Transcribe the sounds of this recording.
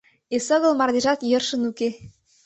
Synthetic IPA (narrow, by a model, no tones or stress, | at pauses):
esɤ̆ɣɤ̆lˠmɑrd̪eʒɑt̪jɤ̆rʃə̆nuke